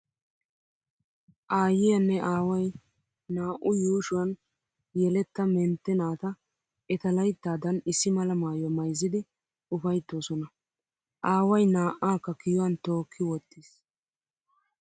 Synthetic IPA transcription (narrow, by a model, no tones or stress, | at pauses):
ʔaːjɪjɐnːɛʔaːwɐj | naːʔʊjuːʃʊwɐn | jɛlɛt̪ːɐmɛnt̪ːɛnaːt̪ɐ | ʔɛt̪ɐlɐjt̪ːaːd̪ɐnɪsːɪmɐlɐmaːjɔmɐjzːɪd̪ɪ | ʊfɐjt̪ːo̞ːsɔnɐ | ʔaːwɐjnaːʔaːkːɐkɪjɔwɐnt̪o̞ːkʰːɪwɔt̪ːɪs